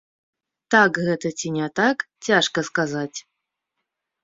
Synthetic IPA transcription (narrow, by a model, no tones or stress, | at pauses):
t̪akɣɛt̪ətʲinʲat̪aktʲaʂkəskazatʲ